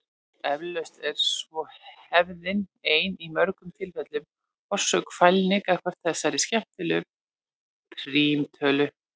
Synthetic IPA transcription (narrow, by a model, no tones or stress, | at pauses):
ɛvlœɥst̪ɛɾ̥svɔhɛvðɪneːjnimœɾkʏmt̪ʰɪlvɛt̪lʏm | ɔr̥sœkfajlnɪkakʰvaɾ̥t̪θɛsːaɾɪ̥scɛft̪ɪlʏ | pʰɾiːmt̪ʰœːlʏ